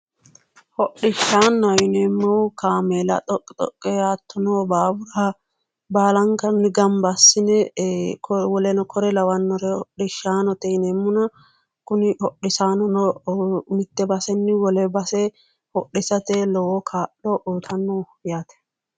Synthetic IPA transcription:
hɔɗɪʃːaːnːɐjɪneːmːɔwkaːmelɐ̰t̪ʼɔkʼːɪt̪ʼɔ̰kʼːɛaːt̪ʰːɔnobaːbʊɾa | baːlɐŋkɐnːɪɡɐmbɐsːɪnɛkwɔlɛnɔkʰɔɾɛlɐwɐnːɔɾɛhɔɗɪʃaːnɔt̪ɛɪneːmːʊnɐ | kʊnɪhɔɗːɪsaːnɔnɔmɪt̪ːɛbɐsɛnːɪwɔlɛbɐsɛ | hɔɗːɪsɐt̪elɔwɔkʰaːɗɔʔuːt̪ʰɐnːɔ | ɪjat̪ɛ̥

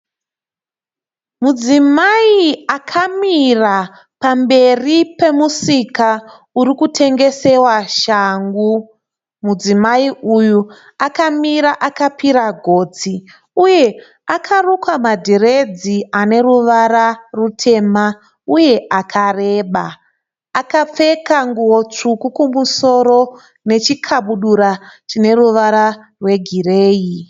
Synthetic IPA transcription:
mud͡zimaiakʰamira | pambe̞ripe̞musika | uɾikutʰe̞ŋɡe̞se̞waʃaŋɡu | mud͡zimaiuju | akamiɾaʔakapiɾaɡʱo̞ːd͡zi | uje̞ | akʰarukwamadʱere̞d͡ziane̞ruʋaɾarutʰe̞ma | uje̞ʔakʰare̞ːɓaː | kap͡fe̞kaŋɡuwo̞t͡ʂukukumuso̞ɾo̞ | ne̞t͡ʃikʰaɓuɗuɾat͡ʃine̞ruʋaɾa | rwe̞ɡʱire̞ːji

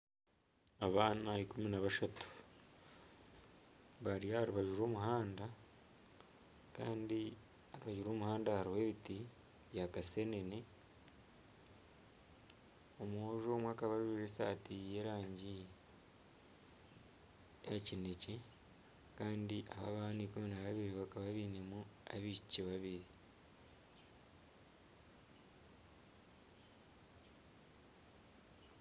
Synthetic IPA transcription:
aβaːnaikuminaβaʃatu̥ | βaɾijahaɾuβaʒuɾo̞ːmuɦaːnda | ka̰ːndi | haɾuβaʒuɾo̞ːmuhaːndahaɾiwe̞βiti | βjakase̞nene | omoʒo̞mwaːkaβaʒuɾesaːtije̞ːɾaːɲɟi | acine̞ce | kaːndiʔaβa̰βahanikuminaβaβiɾiβakaβaβinemua̰βicciβaβiɾi

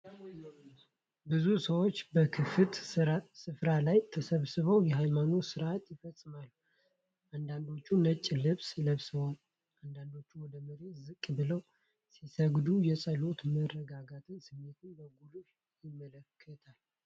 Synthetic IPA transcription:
bɨzusəwot͡ʃːbəkʰɨfɨt̪sɨfɾalajt̪ʰəsəβsɨβəwjɛɦajmanosɨɾʔat̪jɪfəsʼːɨmalːu | ʔand̪and̪o̞t͡ʃːunət͡ʃʼːlɨβsləβsɨβol | and̪and̪o̞t͡ʃːuwɔd̪əməɾet̪zɨkʼbɨləw | sisəɡd̪ujɛsʼəlo̞t̪mərəɡaɡat̪ʰɨɲsɨmːet̪ʰɨnbəɡulu | jɪmːələkʰːət̪ʰal

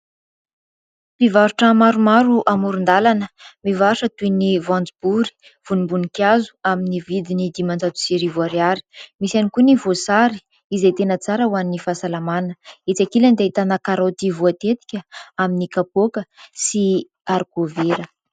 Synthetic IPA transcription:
pivaɾuʈ͡ʂəmaɾumaɾuʔamuɾund̪alanəmivauʂət̪uinivãnd͡zib̥uɾi̥ | v̥unimbunikjazu̥aminivid̪inid̪imand͡zat̪u̥siɾivuaɾiaɾi̥misanikunivosaɾi̥ | izet̪enət͡saɾəwanːifasalamanəet͡sakiland̪eit̪anakaɾawt̪ivuat̪et̪i̥kʲəaminikapokəsi | aɾɡoveɾə

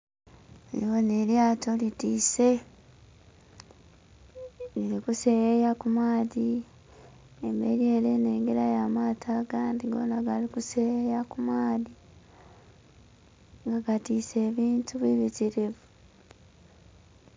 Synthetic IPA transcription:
liwoneljaːto̞litiːse̞ | lilikusejejakumaːði | embḛlieleneːŋɡeɾajamaːtʰaɡandiɡo̰naɡalikusejejakumwaːði | ŋɡaɡatiːse̞ːβiːntuβwiβitiɾiβu

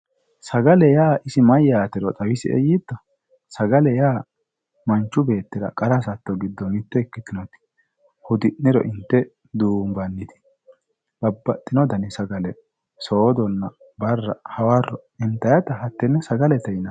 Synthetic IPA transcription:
sɐɡɐlɛjaːʔɪsɪmɐjːaːt̪ɪɾɔt̪ʼɐwɪsɪʔɛ̰jid̪ːɔ | sɐɡɐlɛjaː | mɐnt͡ʃːʊbe̞ːt̪ːɪɾɐ̰kʼɐɾɐsɐt̪ːɔɡɪd̪ːɔnɪt̪ːɛɛkːɪt̪ːɪnɔt̪ɪ̥ | hʊd̪ɪnːɪɾɔ̰ʔɪnt̪ːɛ | d̪uːmbɐnːɪt̪ɪ̥ | b̥ɐbːɐt̪ʼːɪnɔd̪ɐnɪsɐɡɐlɛ | soːd̪ɔnːɐ | bɐrːɐ̰hɐwaːrːɔɪnt̪ːɐjɐt̪ɐɦɐt̪ːɛnːɛsɐɡɐlɛt̪ɛjnɐ

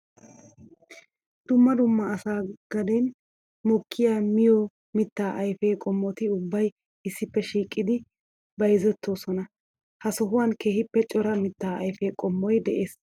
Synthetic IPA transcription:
d̪̥ʊmːɐd̪ʊmːɐːsaːɡ̥ɐd̪en | mɔkʰːɪjaːmɪjɔ | mɪt̪ːaːʔɐjfeːkʼɔmːɔt̪ɪʊbːɐj | ɪsːɪpːɛʃiːkʼːɪd̪ɪ | bɐjzɛt̪ːoːsɔnɐ | hɐsɔɦʊwaːnke̞ːhɪpːɛt͡ʃʼɔɾɐmɪt̪ːaːɐjfeːkʼɔmːɔjd̪ɛʔeːs

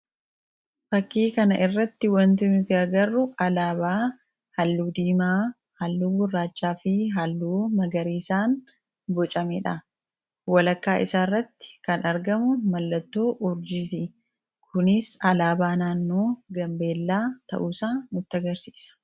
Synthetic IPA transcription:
fɐkːiːkɐnɐʔɪrːɐt̪ːɪwɐnt̪ʊnt̪ɪɐɡɐrːʊɐlaːbaː | hɐlːuːd̪iːmaː | hɐlːuːɡʊrːaːt͡ʃːaːfɪɦɐlːuːmɐɡɐɾiːsaːn | bɔt͡ʃʼɐmɛᶑɐ | wɐlɐkːaːʔɪsaːrːɐt̪ːɪ̥kɐnɐɾɡɐmʊmɐlːɐt̪ːoːʔʊɾd͡ʒisɪ | kʰʊnɪsɐlaːbaːnaːnːoːɡɐmbe̞ːlːaːt̪ɐ̰ʔuːsaːnʊt̪ːɐɡɐɾsi̥ːsɐ̥

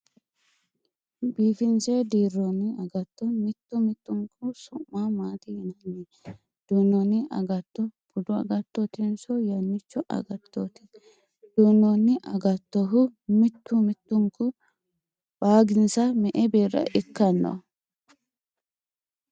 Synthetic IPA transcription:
biːfɪnsed̪iːrːɔnːɪɐɡɐt̪ːɔmɪt̪ːʊmɪt̪ːʊŋkʰʊsʊmːaːmaːt̪ɪhɪnɐnːe | d̪̥uːnːɔnːɪʔɐ̰ɡɐt̪ːɔb̥ʊd̪ʊɐ̰ɡɐt̪ːɔt̪ɪnsɔjɐnːɪt͡ʃːɔʔɐ̰ɡɐt̪ːoːt̪ɪ̥ | d̪̥uːnːɔnːɪʔɐɡɐt̪ːɔɦʊmɪt̪ːʊmɪt̪ːʊŋkʊ | b̥aːɡɪnsɐmɛʔɛbiːrːɐ̰ʔɪkːɐnːɐ̰

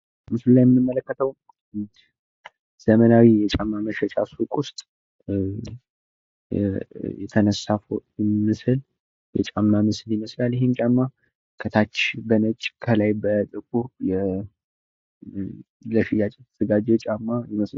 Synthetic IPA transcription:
mɨsllajɛmːɨnːɨmːələkːət̪ʰəw | z̥əmənawijɛt͡ʃʼamːaməʃɛt͡ʃʼasukʼʊst̪ʼ | jɛt̪ʰənəsafomɨsɨl | jɛt͡ʃʼamːamɨsɨljɪməslaljɛɦemt͡ʃʼamːa | kʰət̪ʰat͡ʃːbənət͡ʃʼːkʰəlajbət̪ʼɨk̚ʰuɾjɛ | ləʃɪjat͡ʃʼɛt̪ʰəz̥əɡad͡ʒɛt͡ʃʼamːajɛməsa

